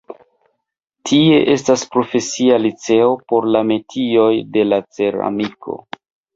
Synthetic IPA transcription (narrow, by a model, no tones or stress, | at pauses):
tʰie̞ʔe̞staspɾo̞fe̞sialit͡se̞o̞po̞ɾlame̞tʰio̞jde̞lat͡se̞ɾa̰mikʰo̞̰